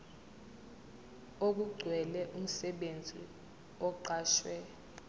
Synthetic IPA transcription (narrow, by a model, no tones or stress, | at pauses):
ok̬uɡ͡ǀʱwɛlɛʔum̩sɛɓend͡zʱḭ | ɔǃaːʃwɛ